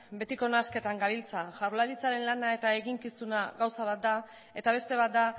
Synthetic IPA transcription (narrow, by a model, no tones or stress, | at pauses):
be̞t̪iko̞naske̞t̪aŋɡaβilt͡saʝarlaɾit͡saɾe̞nlanae̞t̪ae̞ɣiŋkisunaɣawsaβat̪̚d̪a | e̞t̪aβ̞e̞st̪e̞βat̪̚d̪a